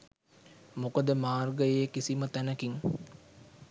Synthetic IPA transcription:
mokəd̪əmaːrɡəjəjekisimət̪ænəkiŋ

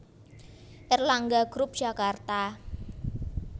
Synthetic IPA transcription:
ʔɪrlaŋɡaɡ̥ɾʊp̚dʒ̥akart̪a

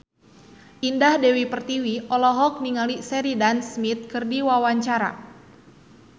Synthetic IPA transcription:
ʔindahdɛwipərt̪iwiʔɔlɔɦɔk̚niŋalisɛɾidansmit̪̚kɨrdiwawaɲt͡ʃaɾa̰

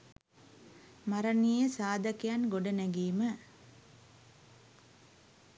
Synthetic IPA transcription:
maɾɐnijəsaːd̪ɐkijanɡoɖɐnæɡiːmə

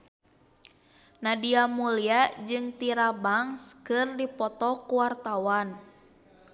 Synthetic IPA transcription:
nadiamuliad͡ʒɨŋt̪iɾabaŋskɨrdipɔt̪ɔkuwart̪awan

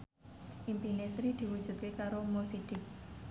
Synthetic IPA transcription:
ʔimpilesɾid̪̥i̤wu̥d͡ʒ̥ṳt̪̚kekaɾomosid̪̥ɪk̚

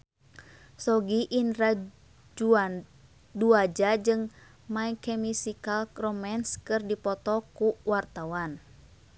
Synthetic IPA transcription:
sɔɡiʔinra | d͡ʒuan | duad͡ʒad͡ʒɨŋ | maɛkɛmisikalrɔmɛnskɨrdipɔt̪ɔkuwart̪awan

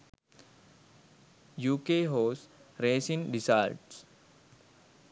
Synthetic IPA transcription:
juːkeːɦoːsɾeːsĩŋɖisa̰ːlʈs

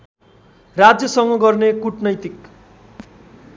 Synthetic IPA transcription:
rad͡zjʌsʌŋɡʌɡʌrnekuʈnʌjt̪ik

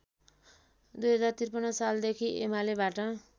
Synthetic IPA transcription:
d̪ujɦʌd͡zart̪irpʌnʌsald̪ekʰiʔḛmalebaʈʌ

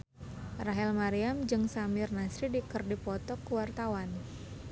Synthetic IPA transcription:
raɦɛlmaɾiamd͡ʒɨŋsamɪrnasɾidikərdipɔt̪ɔkːəwart̪awan

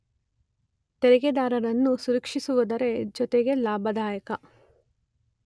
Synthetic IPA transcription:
t̪eɾɛɡed̪aːɾɐɾɐnːusuɾɐkʂisuʋɐd̪ɐɾe̞d͡ʒɔt̪eɡe̞laːbʱɐd̪aːjɐkɐ

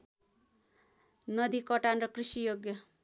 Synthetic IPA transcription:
nʌd̪ikʌʈanɾʌkrisijoɡjʌ

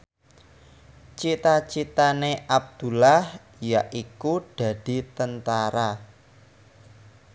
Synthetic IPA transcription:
t͡ʃit̪at͡ʃit̪aneʔab̚d̪̥ṳlah | jaʔikuɖ̥a̤d̪̥i̤t̪ənt̪aɾa

